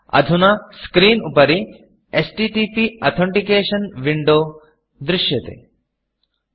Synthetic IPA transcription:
ɐ̰d̪ʱunaskɾiːnupɐɾi | esʈiʈipiɐt̪ʰɔ̃ɳʈikeːʃɐnʋiɳɖoː | d̪ɾɪʃjɐt̪ḛː

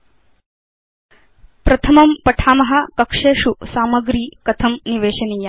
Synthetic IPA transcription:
pɾɐt̪ʰɐmɐmpɐʈʰaːmɐɦɐ̆kɐkʂeːʃusaːmɐɡɾiːkɐt̪ʰɐmniʋeːʃɐniːjɐ

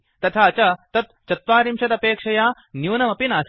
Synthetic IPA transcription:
t̪ɐt̪ʰaːt͡ʃɐt̪ɐt̪t͡ʃɐt̪ʋaːɾimʃɐd̪ɐpeːkʂɐjaː | njuːnɐmɐpinaːs

